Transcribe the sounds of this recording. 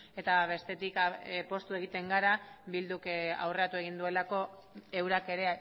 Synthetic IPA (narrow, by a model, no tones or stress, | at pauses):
e̞t̪aβe̞st̪e̞t̪ikpo̞st̪ue̞ɣit̪e̞ŋɡaɾabild̪uka̰wre̞at̪ue̞ɣ̞ind̪ue̞lako̞ | e̞wɾake̞ɾe